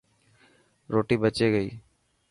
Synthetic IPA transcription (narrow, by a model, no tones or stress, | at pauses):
ɾoːʈiːbət͡ʃeːɡəḭː